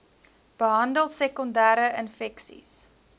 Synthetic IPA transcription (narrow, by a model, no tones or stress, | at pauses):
b̥əɦɐndəlˠsɛkɔndæːɾəʔənfɛksḭs